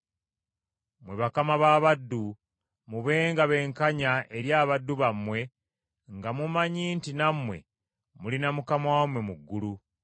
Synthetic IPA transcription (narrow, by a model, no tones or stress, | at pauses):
mwe̞βakamaβaːβadːu | muβe̞ːŋɡaβe̞ŋkaɲaʔe̞ɾjaːβadːuβamwe̞ | ŋɡamumaɲiːntinamwe̞̰ | mulinamukamawamwe̞muɡːulu